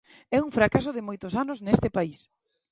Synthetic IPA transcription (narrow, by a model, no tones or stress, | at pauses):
ɛuŋfɾakasʊðɪmojt̪ʊsanʊznest̪ɪpais